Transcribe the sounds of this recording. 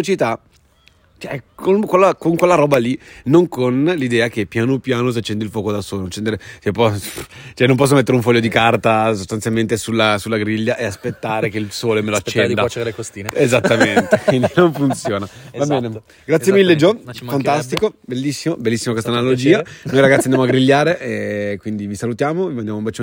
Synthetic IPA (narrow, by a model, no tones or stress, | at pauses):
ot͡ʃit̪a | t͡ʃɛkʰonkwelːakoŋkwelːaɾɔːbalinoŋkonlid̪ɛːakepːjaːnopjaːnos̬at͡ʃːɛnd̪ilfwɔːkod̪asoːlonot͡ʃɛnd̪eɾet͡ʃepɔt͡ʃɛnõmpɔs̬ːomet̪ːeɾeuɱfɔʎːod̪ikart̪as̬ost̪ant̪jalment̪esulːasulːaɡɾiʎːaʔeaspet̪ːaːɾekeilsoːlemeloat͡ʃt͡ʃːɛnd̪alekosiezat̪ːament̪ekwind̪inoɱfunt̪sjoːnavabɛːne | ɡɾat̪sjemilːed͡ʒɔfant̪ast̪ikobelːisːimobelːisːimakwest̪analod͡ʒiːanojɾaɡat̪ind̪jamoaɡɾiʎːaːɾeʔekwind̪ivisalut̪jaːmovimand̪jamumbat͡ʃo